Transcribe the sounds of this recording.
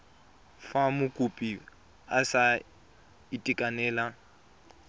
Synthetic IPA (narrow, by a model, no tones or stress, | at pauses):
famʊkʼupʼi | asa | itʼikʼanɛːla